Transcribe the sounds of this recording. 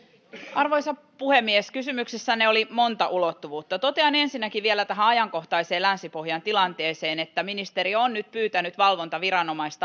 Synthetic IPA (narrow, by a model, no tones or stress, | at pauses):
ɑrʋo̞jsɑ | puhemːieskysymyksesːæneolimo̞nt̪ɑʔulot̪ːuʋuːt̪ːɑt̪o̞t̪eɑnensinːækiʋielæt̪æɦæɑjɑŋko̞ht̪ɑise̞ːlænsipoɦjɑnt̪ilɑnt̪e̞ːse̞ːnet̪ːæminist̪e̞ɾionnyt̪̚pyːt̪ænyt̪ʋɑlʋo̞nt̪ɑʋiɾɑno̞mɑist̪ɑ